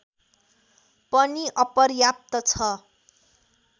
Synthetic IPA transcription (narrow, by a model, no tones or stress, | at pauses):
pʌniʔʌpʌrjap̚t̪ʌt͡sʰʌ